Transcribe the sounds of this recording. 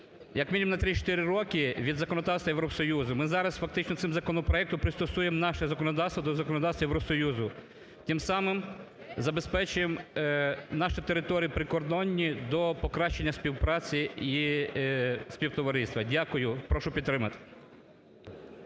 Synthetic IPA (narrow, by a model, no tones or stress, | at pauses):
jɐkmʲinʲimnɐt̪ɾʲit͡ʃt̪ɪɾɪɾɔkɪʋʲid̪zɐkɔnɔd̪ɑwst̪ʋɐjeʋɾɔsɔjuzʊmɪzɑɾɐsfɐk̚t̪ɪt͡ʃnɔt̪sɪmzɐkɔnɔpɾɔjɛk̚t̪ʊpɾɪst̪ɔsujemnɑʃɛzɐkɔnɔd̪ɑwst̪ʋɐd̪ɔzɐkɔnɔd̪ɑwst̪ʋɐjeʋɾɔsɔjuzʊ | t̪ʲɪmsɑmɪm | zɐbespɛt͡ʃʊjem | nɑʃɪt̪eɾɪt̪ɔɾʲijipɾɪkɔrd̪ɔnʲːid̪ɔpɔkɾɑʃt͡ʃːenʲːɐsʲpʲiwpɾɑt͡sʲii | spʲiwt̪ɔʋɐɾɪst̪ʋɐdʲakʊjʊpɾɔʃʊpʲd̪t̪ːɾɪmɐt̪ɪ̥